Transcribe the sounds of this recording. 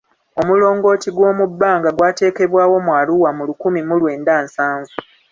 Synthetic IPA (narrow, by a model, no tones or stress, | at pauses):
o̞mulo̞ːŋɡo̞ːtiɡwo̞ːmubːaːŋɡaɡwaːte̞ːke̞βwaːwo̞mwaːluwamulukumimulwe̞ːndaːnsaːɱvu